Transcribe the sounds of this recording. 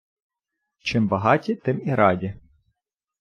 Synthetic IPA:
t͡ʃɪmbɐɦɑtʲit̪ɪmiɾɑdʲi

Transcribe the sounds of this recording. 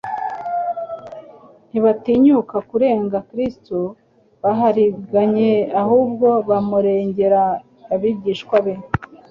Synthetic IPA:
n̥iβatiɲukakuɾe̞ːŋɡakɾisto | βaɦaɾiɡaɲe̞ahuːb̚ɡo̞βamuɾe̞ːɲɟe̞ɾa | βaβiɟiːʃkwaβe

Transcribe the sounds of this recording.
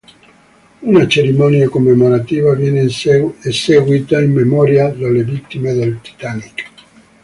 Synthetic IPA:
unat͡ʃeɾimɔniakomːemoɾat̪iːvavjɛneeseɡwit̪aimːemɔːɾjad̪alːevit̪ːimed̪elt̪i̥t̪anik

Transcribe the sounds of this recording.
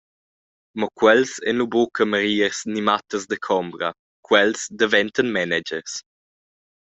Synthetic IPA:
mɔkwɛlsɛ̰nlubokʰəməɾiːəɾsnimat̪əzd̪əkʰɔmbɾɐ | kʰwɛlsd̪əvɛntənmɛnɛd͡ʒərs

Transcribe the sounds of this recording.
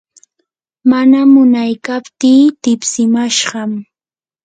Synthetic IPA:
manamʊnajkapt̪iːt̪ɪpsɪmaʃɢɑm

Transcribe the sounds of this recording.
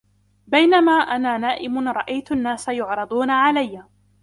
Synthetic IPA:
bajnamaːʔanaːnaːʔɪmʊnɾˤɑʔajt̪ʊʔanːaːsajʊʕɾˤɑd̪ˤuːnaʕalajːaː

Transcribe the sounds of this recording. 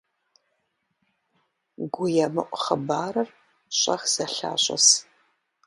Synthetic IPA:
ɡʷʊjɛmɨʔʷχəbaːɾɐr | ɕʼɐxz̥ɐɬa̰ːɕʼɐ̰s

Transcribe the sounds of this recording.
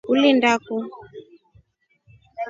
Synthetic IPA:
ulindaku

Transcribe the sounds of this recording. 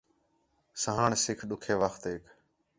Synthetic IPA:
səɦaːɳsɪkʰɗʊkʰeːʋəxt̪eːk

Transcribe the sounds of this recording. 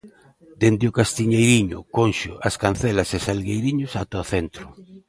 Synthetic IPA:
d̪end̪ɪʊkast̪iɲejɾiɲʊ̰konʃʊ̰ʔaskanθɛlasesalɣejɾiɲʊsat̪oaθent̪ɾʊ

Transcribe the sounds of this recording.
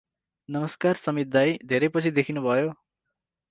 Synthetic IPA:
nʌmʌskarsʌmit̪̚d̪ajd̪ʱeɾʌjpʌt͡sʰid̪ekʰinubʱʌjo

